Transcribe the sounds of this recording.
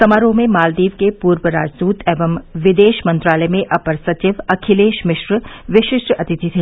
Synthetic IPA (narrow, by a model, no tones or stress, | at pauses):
sɐmaːɾoːmẽmaːld̪iːʋkepuːɾʋəɾa̰ːd͡ʒd̪uːt̪ʰeːʋɐmʋɪd̪eːʃmɐ̃nt̪ɾaːləmẽʔɐpəɾsɐt͡ʃɪʋɐkʰɪleːʃmɪʃʋəʋɪʃɪʃʈɾɐt̪ɪt̪ʰit̪ʰi